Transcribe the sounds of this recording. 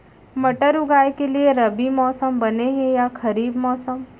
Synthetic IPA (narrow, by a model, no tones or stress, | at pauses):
mɐʈəɾʊɡaːjkelieɾɐbimɔːsəmbɐneɦɛ̃jaxʰɐɾiːbmɔːsəm